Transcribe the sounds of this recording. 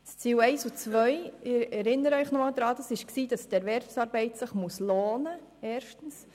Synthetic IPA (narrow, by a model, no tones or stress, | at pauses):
st͡siːlɛɪsut͡sʋœɪɪɛɾɪnəɾəœʏχnɔmɑːld̥̪ɾɑːd̥ɑsɪʃksiːd̥ɑsd̥ɛɾʋɛɾfsɑːɾbɛɪtsɪχmusloːnə | ɛːɾʃtən̩s